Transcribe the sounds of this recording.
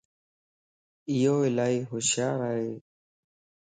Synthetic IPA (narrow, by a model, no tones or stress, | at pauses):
ɪjoːɪlaːiːɦʊʃjaːɾaːɦeː